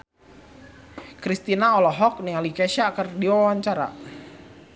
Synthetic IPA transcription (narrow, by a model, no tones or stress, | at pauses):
kɾist̪inaɔlɔɦɔk̚niŋalikɛʃaːkərdiwawaɲt͡ʃaɾa̰